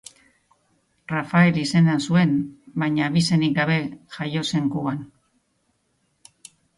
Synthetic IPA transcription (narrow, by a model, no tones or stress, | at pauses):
rafae̞lise̞nansue̞nbajɲaːβise̞nik̚ɡaβe̞ʝajo̞se̞ŋkuan